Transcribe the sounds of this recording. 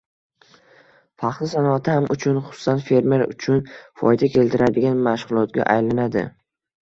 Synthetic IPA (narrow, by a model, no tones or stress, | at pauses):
fɑq̪ˠɪsanɒat̪ʰɪhamʔʊt͡ʃʰʊnχʊ̥sʊ̥sanfe̞ɾme̞ɾʊ̰t͡ʃʰʊnfɒ̰jd̪akʲʰe̞lt̪ʰɪɾad̪ɪɡʲanmaʃʁʊlˠɒt̪ɡʲa̰ʔa̰jlanad̪ɪ̰